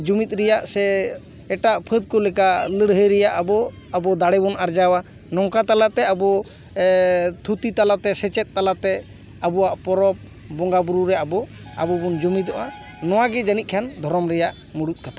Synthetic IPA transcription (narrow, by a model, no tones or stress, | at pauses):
d͡ʒumit̪̚ˀɾɛjaʔsɛː | ʈaʔpʰəd̪̚kɔlɛkaləɽɦəɾɛjaʔabɔ | abɔd̪aɽɛbɔnaɾd͡ʒawa | nɔŋkat̪alat̪ɛabɔ | t̪ʰut̪it̪alat̪ɛsɛt͡ʃɛt̪̚ˀːalat̪ɛ | abɔwaʔpɔɾɔp̚ | bɔŋɡabuɾuɾɛabɔ | a̰bɔbɔnd͡ʒumid̪ɔʔa | nɔwaɡɛd͡ʒanit̪̚kʰand̪ʱɔɾɔmɾɛjaʔ | muɽut̪̚ˀkat̪ʰa